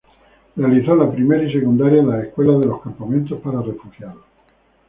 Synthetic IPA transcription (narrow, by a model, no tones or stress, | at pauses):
realiθolapɾime̞ɾaise̞kũnd̪aɾjaenlaehkwe̞laðe̞lo̞skampamẽnt̪o̞spaɾare̞fuxjaɾlo